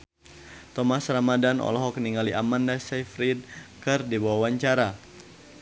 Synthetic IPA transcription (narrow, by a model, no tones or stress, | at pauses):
t̪ɔmasramadanɔ̰lɔɦɔkniŋaliʔamandasɛfɾid̚kɨrdibawawaɲt͡ʃaɾa